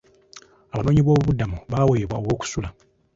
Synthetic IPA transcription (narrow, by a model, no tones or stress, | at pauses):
aβano̞ːɲiβo̞ːβuβudamuβaːweːβwaowo̞ːku̥sula